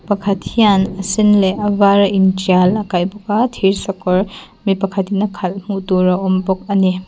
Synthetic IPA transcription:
pɐkʰatʰijanɐsinleɐbaɾɐind͡ʒialɐkajbɐɡatʰiɾsɔkɔɾ | mipɐkʰatʰinɐkʰal̚mutuɾɐombɔk̚ɐni

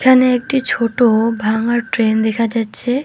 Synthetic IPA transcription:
kʰaneek̚ʈit͡ɕʰoʈobʱaŋaɾʈɾend̪ekʰad͡ʒatːt͡ʃʰe

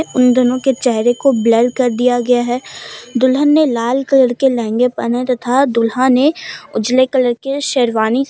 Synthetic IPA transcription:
ʊnd̪ʊnõket͡ʃɛɦɾekobləɖkɐɾd̪ijaɡɐjaɦɛːd̪ʊlɦənːelaːlkɐləɾkelɛ̃ɦːŋɡepɐnat̪ɐt̪ʰad̪ʊlɦãneʊd͡ʒlekɐləɾkeʃeːɾʋaːni

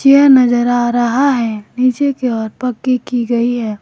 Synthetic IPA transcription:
t͡ʃeɾnɐzəɾaːɾɐɦaɦɛniːt͡ʃekeɔːɾpɐkːikiɡɐiɦɛː

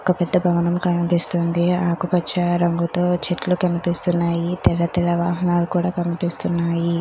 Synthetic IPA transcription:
ɔkɐpɛd̪ːɐbʱɐʋɐnɐmkɐnpist̪oːnd̪iaːkukɐt͡ʃt͡ʃːɐɾɐŋɡut̪o̞ːt͡ʃeʈlukɐnipist̪unːaːjit̪ɛlːɐt̪ɛlɐʋaːɦɐnaːlukuːɽaːkɐnipist̪unːaːji

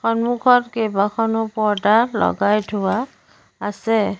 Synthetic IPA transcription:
xɔnmukʰɔtkejbakʰɔnʊpɔɹdaɹlɔ̰ɡajtʰʊwaː | sɛ

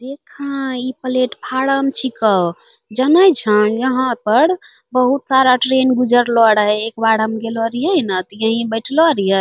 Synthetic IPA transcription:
d̪ekʰãipəleʈpʰaɽəmt͡ʃʰikə | d͡ʒənəjt͡ʃʰə̃jəɦãpəɽ | bəɦut̪saɾaʈɾenɡud͡ʒəɾlɔɽɦɛekbaɽəmɡelɔɾijənət̪jəɦĩbəɪʈʰlɔɾijə

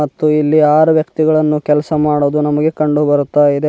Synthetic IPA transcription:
ɐt̪ːuilːiaːɾuʋjɐkt̪iɡɐɭɐnːukɛlɐsɐmaːɽoːd̪unɐmɐɡe̞kɐɳɖubɐɾut̪ːaid̪e

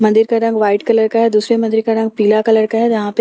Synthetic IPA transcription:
mɐ̃nd̪ɪɾkaɾɐ̃ŋɡʋaːɪʈkɐləɾkaɦɛd̪uːsɾemɐ̃nd̪ɪɾkaɾɐ̃ŋɡ̚piːlakɐləɾkaɦɛd͡ʒɐɦãp

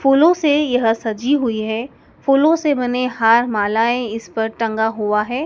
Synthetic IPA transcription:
fuːlõsejɐɦsɐd͡ʒiɦʊiɦɛ̃ː | fuːlõsebɐneɦaːɾmaːlaːẽɪspɐɾʈɐ̃ŋɡaɦuaɦɛː

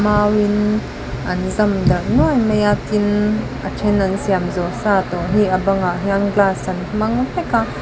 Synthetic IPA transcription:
mawin | ʔɐnzɐmd̪ɐnuajmejat̪in | atʰɛnansiamzɔsat̪ɔʔɦiʔabɐŋaʔɦiaŋɡlasɐnmɐŋtɛka

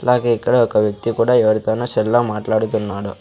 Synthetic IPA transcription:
laːkeikːɐɽeɔkːɐʋjɐk̚t̪ikuːɽaɛʋɐɾit̪ɐnːusɛlːamaːʈlaːɽut̪unːaːɽu

